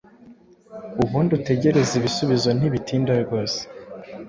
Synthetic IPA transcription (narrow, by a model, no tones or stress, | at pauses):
uβuːndute̞ɟe̞ɾe̞ziβisuβizo̞n̥iβitiːndaɾɡo̞ːse̥